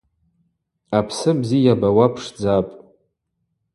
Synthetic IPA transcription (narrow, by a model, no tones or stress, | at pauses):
apʰsɨbzijabawapʰʂd͡zapʼ